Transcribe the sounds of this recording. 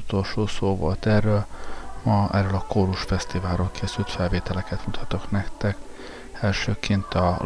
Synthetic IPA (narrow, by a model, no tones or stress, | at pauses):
ut̪o̞lʃoːsoːvo̰lt̪ɛrːøːlmɒɛ̰røːlɒkoːɾuʃfɛst̪ivaːlɾoːlkʰeːsylt̪fɛlveːt̪ɛlɛkɛt̪mut̪ʰhɒt̪o̞knɛkt̪ɛk | ɛlʃøːkint̪ɒ